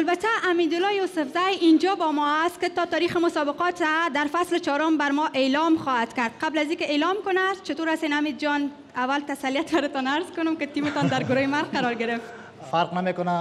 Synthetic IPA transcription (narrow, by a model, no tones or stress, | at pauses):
albat̪aʔːmid̪ʊlɔjosʊfzajind͡ʒɔbɔmɔast̪̚kɪt̪ɔt̪ɒɾixɪmʊsɔbɪqɔt̪ad̪aɾfaslɪt͡ʃɔɾɔmbaɾmɔʔelɔmxɔhat̪kaɾd̪̚qablazikɪelɔmkʊnast͡ʃɪt̪oɾasenamid̪d͡ʒɔn | awalt̪asalijat̪baɾɪt̪ɔnaɾzkʊnʊmkɪt̪imɪt̪ɔnd̪aɾɡʊɾojemaɾqqaɾɔɾɡɪɾɪft̪ | faɾqnamekʊna